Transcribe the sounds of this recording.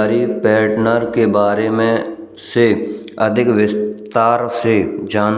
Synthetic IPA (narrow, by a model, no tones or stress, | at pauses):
ɾipɛːʈnəɾkebaːɾemẽ | se | əd̪ʱɪkʋɪst̪aːɾsed͡ʒaːn